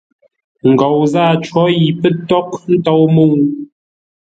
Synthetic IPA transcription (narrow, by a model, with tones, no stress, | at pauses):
ŋ̩˨ɡɔ˨wzaː˦˨t͡ʃwɔ˨˦ji˨pə˦tɔ˦kn̩˦tɔ˦wmo˦˨ŋ